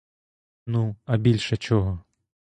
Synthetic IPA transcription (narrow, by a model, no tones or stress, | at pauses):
nuɐbʲilʲʃɐt͡ʃɔɦɔ